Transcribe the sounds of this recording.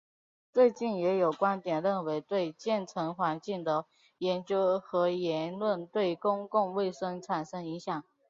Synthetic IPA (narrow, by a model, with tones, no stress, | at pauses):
t͡swe˥˧ɪt͡ɕi˥˩njɛ˧˥jo˨˩ʊkwa˥nt̪jɛ˨˩nɻə˥˩nwe˧˥ɪt̪we˥˧ɪt͡ɕjɛ˥˩nʈ͡ʂʰɤ˧˥ŋxwa˧˥nt͡ɕi˥˩ŋd̪ə˨ | jɛ˧˥nt͡ɕjo˥ʊxɤ˧˥jɛ˧˥nlwə˥˧˩nt̪we˥˩ɪkʊ˥ŋkʊ˥˧ŋwe˥˩ɪʂɤ˥ŋʈ͡ʂʰa˨˩nʂɤ˥ŋi˧˥ŋɕjɑ˨˩˦ŋ